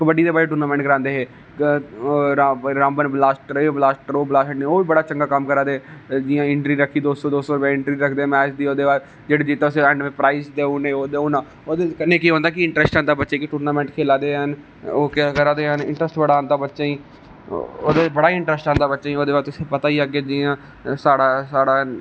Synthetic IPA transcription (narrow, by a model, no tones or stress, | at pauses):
ɪkbəɖiːd̪eːbaːɾeːʈuːɾnaːmɛ̃ɳʈ̚kəɾãːnd̪eːɦeː | ɾaɾãːmbənblaːsʈɾeːblaːsʈɾoːblaːsʈneːoːibəɽaːt͡ʃə̃ŋɡaːkəmkəɾãːd̪ed͡ʒɪjãːɪɳʈɾiːɾəkʰːiːd̪oːsoːd̪oːsoːɾʊpẽːɪ̃ɳʈɾiːɾəkʰd̪eːmɛːt͡ʃd̪iːoːd̪eːʋaːɾ | d͡ʒeːɽeːd͡ʒit̪aʊseɛ̃ɳɖmeːpɾaːiɪsd̪eːʊneːoːd̪eʊnãː | oːd̪ekənːẽːkiːɦõːnd̪aːkɪɪɳʈɾɛːsʈãːnd̪aːbətːʃaːkɪʈoːɾnaːmɛ̃ːɳʈkʰeːlaːd̪eːɦən | oːkkəɾãːd̪eːɦənɪ̰̃ɳʈɾəsʈbəɽaːnd̪aːbətːʃaːĩː | o̰ːd̪eːbəɽaːɪɳʈɾɛsʈãːnd̪aːbətːʃaːiːoːd̪eːʋaːɾt̪ʊseːpət̪aːiːaɡeːd͡ʒijãː | saːɽaːsaːɽaː